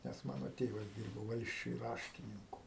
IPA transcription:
nʲɛs ˈmɑːnoː ˈtʲeːʋɐs ˈdʲiːrboː ˈʋɐlʲsʲt͡ʃʲʊj ˈrɑːʃʲtʲɪnʲɪŋkʊ

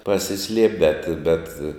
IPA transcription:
pɐsʲɪˈsʲlʲiɛpʲ bʲɛt bʲɛt

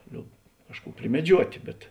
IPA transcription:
ˈlʲoːp ˈkɑːʃˌkuː pʲrʲɪmʲɛˈd͡ʒʲuɔtʲeː bʲɛt

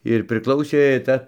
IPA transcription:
ɪr pʲrʲɪˈklˠɐʊsʲeː ˈt͡sʲɛ

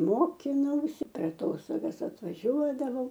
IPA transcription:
ˈmoːkʲɪnɐʊsʲɪ pʲɛr ɐˈtoːstoːɡɐs ɐtʋɐˈʒʲuɔdɐʋɐʊ

